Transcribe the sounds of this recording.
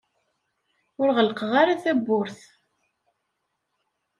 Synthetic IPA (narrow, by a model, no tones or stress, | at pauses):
ʊɾʁələqəʁaɾaθæbːʊɾθ